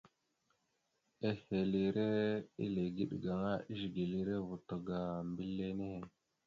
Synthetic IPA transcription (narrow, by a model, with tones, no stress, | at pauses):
e˦he˨li˨ɾe˦ḭ˦le˨ɡi˦ɗɡa˨ŋa˦ʔi˦ʃɡi˨li˦ɾe˦vu˨to˨ɡa˨mbi˦lːe˦ne˦˨